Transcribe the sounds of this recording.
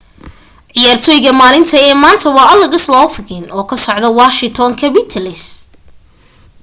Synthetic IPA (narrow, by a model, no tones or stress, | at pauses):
ʕɪjaːrt̪ʰɔːjɪɣɐmaːlɪnt̪ʰɐɛːmaːnt̪ʰɐwɑːʔɐlɐɣɐslɔːfɪɣɪnʔɔːkʰɐsɔʕd̪ɐwaːʃɪŋt̪ʰɔŋkʰɐbɪt̪ʰɐlɪs